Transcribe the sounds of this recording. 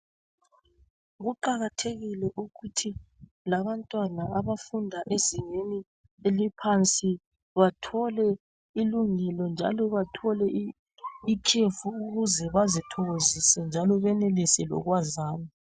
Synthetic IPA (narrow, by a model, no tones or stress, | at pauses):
ɣuǃaɣatʰeɣilɛʔuɣutʰi | laβantʼwanaaβafundʱaʔeziŋeni | elipʰant͡sʼi | βatʰɔlɛ | iluŋɛlɔnd͡ʒʱa̰lɔβatʰɔlɛ | ikʰefuuɣuzɛβazitʰɔɣozisɛnd͡ʒʱalɔβɛnelisɛlɔ̰ɣwazaːnɔ